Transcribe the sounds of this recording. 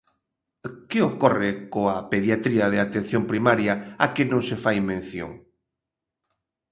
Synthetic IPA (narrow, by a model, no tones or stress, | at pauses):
kɪokɔrɪkoapeðjat̪ɾiɐðeat̪en̟θjompɾimaɾjaakɪnõŋsɪfajmẽn̟θjo̰ŋ